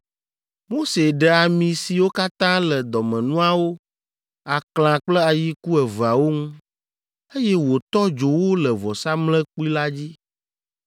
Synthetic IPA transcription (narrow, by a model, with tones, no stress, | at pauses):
mo˦se˨ɖɛ˨a˨mĩ˨si˨wo˦ka˦t̪ã˦lɛ˨d̪ɔ˨mɛ̃˨nũ˦a˨wo˦ | a˨kl̃ã˨k͡plɛ˦a˨ji˦ku˦ɛ˨va˨wo˦ŋũ˦ | e˦jɛ˦wo˨t̪ɔ˦d͡ʒo˨wo˦lɛ˨vɔ˨sa˦mlɛ̃˦k͡pu˦i˦la˦d͡ʑi˦